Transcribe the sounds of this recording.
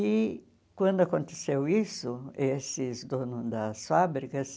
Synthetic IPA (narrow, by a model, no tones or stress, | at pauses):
ɪ | kwɐ̃nd̪ʊakõnt̪esewisʊesɪzd̪õnʊzd̪ɐsfabɾikɐs